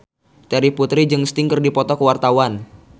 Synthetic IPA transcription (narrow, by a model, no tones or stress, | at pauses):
t̪ɛɾiput̪ɾid͡ʒɨŋst̪ɪŋkɨrdipɔt̪ɔkəwart̪awan